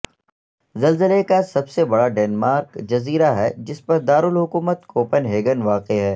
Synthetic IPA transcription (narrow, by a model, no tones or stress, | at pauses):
zɐlzəlekasɐbsebɐɽaɖɛːnmaːɾkd͡ʒɐziːɾaɦɛd͡ʒɪspɐɾd̪aːɾʊlɦʊkuːmət̪koːpənɦeːɡənʋaːqeɦɛː